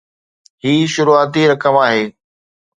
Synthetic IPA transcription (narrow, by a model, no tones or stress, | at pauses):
hiːʃʊɾuaːt̪̬iɾɐkəmaːɦeː